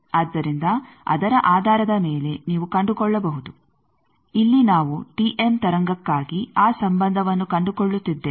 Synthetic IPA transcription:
aːd̪ːɐɾind̪ɐ | ɐ̰d̪ɐɾɐʔaːd̪ʱaːɾɐd̪ɐmeːle̞niːʋukɐɳɖukɔɭːɐbɐɦud̪u | ilːinaːʋuʈiʔemt̪ɐɾɐŋɡɐkːaːɡiaːsɐmbɐnd̪ʱɐʋɐnːukɐɳɖukɔɭːut̪ːid̪ːe

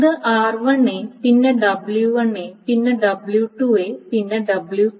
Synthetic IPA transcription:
d̪ɨʔaːrʋɐɳːeːpinːɐɖɐbɭjuʋɐɳːepinːɐɖɐbljuʈueːpinːɐɖɐbɭju

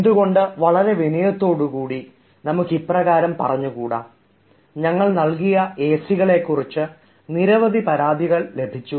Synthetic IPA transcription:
end̪uɣo̞ɳɖɨʋɐɭɐɾe̞ʋinijɐt̪ːo̞ːɽukuːɽi | nɐmukːiprɐɣaːɾɐmpɐ̰rɐɲːukuːɽa̰ː | ɲɐŋːɐɭnɐɭkijɐe̞ːsiɣɐɭe̞kːurit͡ɕːɨ | niɾɐʋɐd̪ʱipɐɾaːd̪iɣɐɭle̞bʱit͡ɕːu

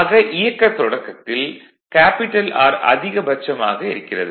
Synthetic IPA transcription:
ɣɐʔɪjɐkːɐt̪ːɔɽɐkːɐt̪ːɪl | kaːpɪʈːɐla̰ːɾɐ̰ðɪɣɐbɐt͡ʃːɐma̰ːɣɐɪɾɯkːɪrɐ̰ðɯ

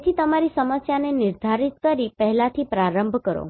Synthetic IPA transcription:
t̪ʰit̪əmaɾisəməsjanenɪɾd̪ʱaɾit̪kəɾipəɦɛlat̪ʰipɾaɾəmbʱkəɾo̰

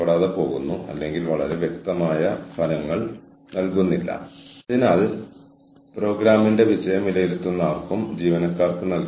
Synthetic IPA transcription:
ɐɽaːðɐpo̞ːɣunːuɐ̰lːe̞ŋɡilʋɐɭɐɾe̞ʋjek̚t̪ɐmaːjɐɐlɐŋːɐɭ | nɐlkunːilːɐ̰ɐðinaːl | pro̞ːɡɾaːminde̞ʋiɕɐjɐmilɐjiɾut̪ːunːaːrkumd͡ʑiːʋɐnɐkːaːrt̪ːɨnɐlk

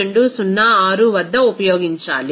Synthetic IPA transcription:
eɳɖusunːɐaːɾuʋɐd̪ːɐupɐjoːɡiɲt͡ʃaːli

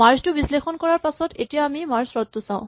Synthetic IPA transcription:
maɹstʊbislexɔnkɔɹaɹpasɔtetijaːmimaɹsɹɔt̪ːʊsãʊ̃

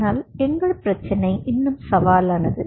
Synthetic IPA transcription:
aːlɛŋɡɐɭpɪɾɐt͡ʃːɐnɐɪʔɪnːɯmsɐʋaːlaːnɐðɯ

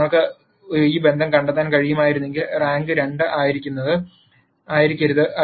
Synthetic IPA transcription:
oɭkːɨ | iːbe̞nd̪ʱɐmkɐɳɖet̪ːaːnkɐɻijumaːjiɾunːe̞ŋɡilraːŋɡɨɾe̞ɳɖɨʔaːjiɾikʲːunːɐðɨ | aːjiɾikʲːɐɾuðɨʔɐ

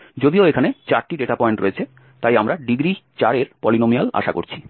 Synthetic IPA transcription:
d͡ʑod̪ioekʰanet͡ɕaɾʈiɖeʈapɔeɳʈɾoet͡ɕʰe | t̪ajamɾaɖiɡɾit͡ɕaɾeɾpɔlinomiala̰ʃa̰ko̰ɾt͡ɕʰi̥

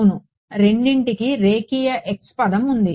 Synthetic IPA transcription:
nu | ɾe̞ɳɖiɳʈikiɾeːkiːjɐʔekspɐd̪ɐmund̪i

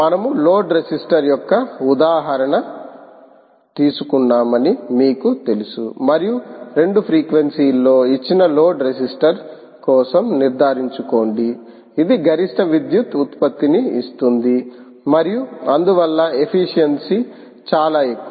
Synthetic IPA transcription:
mɐnɐmulo̞ːɖɾesisʈɐɾjɔkːɐud̪aːɦɐɾɐɳɐ | t̪iːsukunːaːmɐnimiːkut̪e̞lusṵmɐɾijuɾe̞ɳɖupʰɾiːkʋensiːlːo̞ːit͡ʃːinɐlo̞ːɖɾesisʈɐɾ | kɔːsɐmniɾd̪ʱaːɾiɲt͡ʃuko̞ːɳɖiː | d̪iɡɐɾiʂʈʰɐʋid̪jut̪ut̪pɐt̪ːiniist̪und̪i | mɐɾijuɐnd̪uʋɐlːɐe̞pʰiʂijensi | t͡ʃaːlaːekːu

